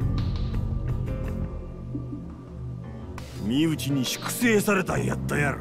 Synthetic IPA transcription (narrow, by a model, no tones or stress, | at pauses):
mʲiɯ̟t͡ɕiɲ̟iɕi̥kɯ̟̥se̞ːsaɾe̞t̪aja̰t̪ːajaɾɯ̰